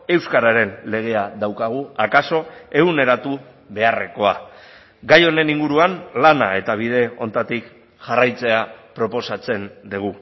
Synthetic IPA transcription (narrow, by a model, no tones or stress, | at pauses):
e̞wskaɾaɾe̞nle̞ɣ̞e̞aðawkaɣ̞uakaso̞e̞ɣune̞ɾat̪u | βe̞are̞ko̞a̰ | ɡajo̞ne̞niŋɡuɾuanlanae̞t̪aβ̞ið̞e̞o̞nt̪at̪ik | ʝarajt͡se̞apɾo̞po̞sat͡se̞nd̪iɣ̞u